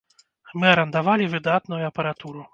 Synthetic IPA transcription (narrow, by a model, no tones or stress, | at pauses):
mɨɐɾɐnd̪avalʲivɨd̪at̪nujuɐpɐɾat̪uɾu